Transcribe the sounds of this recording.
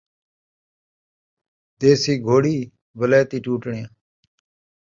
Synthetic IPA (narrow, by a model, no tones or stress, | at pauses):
t̪eːsiːɡʱoːɽiː | ʋəlaːt̪iːʈuːʈɳɪjãː